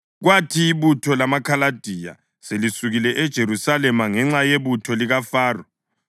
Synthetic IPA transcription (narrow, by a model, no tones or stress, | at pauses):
ɣwatʰiːβutʰɔlamakʰalad̥ʱija̰ | selisuɣilɛʔɛd̥ʒ̥ʱeɾusalɛmaŋɛŋ͡ǁajeβutʰɔliɣafaːrɔ